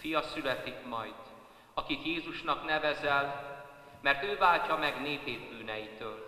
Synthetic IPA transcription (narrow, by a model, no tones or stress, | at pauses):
fijɒsylɛt̪ikmɒjd̪̥ | ɒkit̪jeːzuʃnɒkn̪ɛvɛzɛl | mɛrt̪øːvaːlcɒmɛɡneːpeːt̪̚byːnɛjit̪øːl